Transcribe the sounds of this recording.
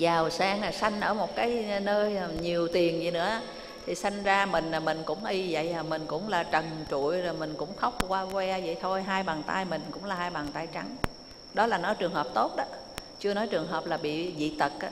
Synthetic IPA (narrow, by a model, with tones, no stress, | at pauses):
zaː˨˩wsaː˧ŋa˨˩sa˧jŋ̟ʔəː˧˩mo˨˩t̚kaː˨˦jnəː˧jɲi˨˩əwt̪i˨˩əŋzi˧˩nɨ̰˧˥ə˧ | t̪ʰi˨˩sa˧jŋ̟zaː˧mï˨˩ŋ̟laː˨˩mï˨˩ŋ̟kʊ̰˧˥ŋ͡mʔi˧və̰˧˨jaː˨˩mï˨˩ŋ̟kʊ̰˧˥ŋ͡mlaː˨˩t͡ɕə˨˩ŋt͡ɕṵ˧˨əjzo˨˩jmï˨˩ŋ̟kʊ̰˧˥ŋ͡mt̪ʰə˦˥wk͡p̚kwaː˧kwɛ˧zə̰˧˨jt̪ʰo˧jɦaː˧jɓaː˨˩ŋt̪a̰ː˧jmï˨˩ŋ̟kʊ̰˧˥ŋ͡mlaː˨˩ɦaː˧jɓaː˨˩ŋt̪aː˧jt͡ɕa˨˦ŋ | ɗɔ˨˦laː˨˩nɔ˨˦jt͡ɕɨ˨˩əŋɦəː˨˩p̚t̪o˦˥t̚ɗɔː˨˦ | t͡ɕɨ˧ənɔ˨˦jt͡ɕɨ˨˩əŋɦəː˨˩p̚laː˨˩ɓḭ˧˨zḭ˧˨t̪ə˨˩k̚ʔa˧˦